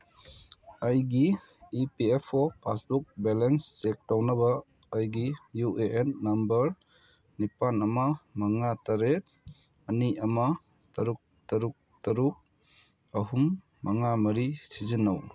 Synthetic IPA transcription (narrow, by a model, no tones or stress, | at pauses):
ɐjɡi | ipiepʰɔpʰasbuk̚belensːek̚tawnɐbɐː | jɡijuʔeʔenːɐmbɐɾ | nipanɐmɐmɐŋataɾet̚ | ɐniɐmɐ | tɐɾuk̚tɐɾuk̚tɐɾuk̚ | ɐɦumː | ɐŋamɐɾisizinaw